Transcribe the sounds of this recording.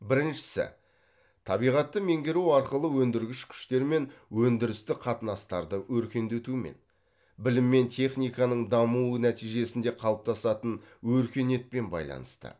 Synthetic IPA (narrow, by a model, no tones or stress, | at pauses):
bɪɾɪnʃɪ̥sɪ̰ | t̪ʰɑbijʁɑt̪ːəme̞ŋɡʲeɾuwɑɾqəlˠəwɵnd̪ɪɾɡʲɪʃkʲʰʏ̥ʃt̪e̞ɾme̞nwɵnd̪ɪɾɪst̪ɪqʰɑt̪ənɑst̪ɑɾd̪əwɵɾkʲe̞nd̪et̪ume̞̰n | bɪlɪmːe̞nt̪ʰe̞χnijkɑnəɴd̪ɑmuənæt̪ijʒe̞sɪnd̪e̞qʰɑlˠəp̚t̪ʰɑsɑt̪ənwɵɾkʲe̞ne̞t̪̚pe̞nbɑ̰jlˠɑ̰nəst̪ə̰